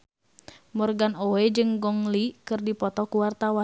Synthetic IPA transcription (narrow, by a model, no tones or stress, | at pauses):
mɔrɡanowed͡ʒɨŋɡɔŋlikɨrdipɔt̪ɔkuwart̪awa